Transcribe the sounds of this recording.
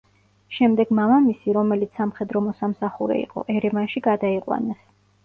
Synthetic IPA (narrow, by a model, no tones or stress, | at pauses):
ʃɛmd̪ɛɡ̥mamamisiɾɔmɛlit̪ssamχɛd̪ɾɔmɔsamsaχuɾɛ̰ḭqʼɔ̰ʔɛɾɛmanʃiɡad̪aiqʼwa̰nas